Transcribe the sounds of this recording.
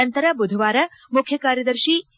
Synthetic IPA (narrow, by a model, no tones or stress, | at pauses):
ɐnt̪ɐɾɐbud̪ʱʋaːɾɐmukʰjɐkaːɾjɐd̪ɐɾʃiː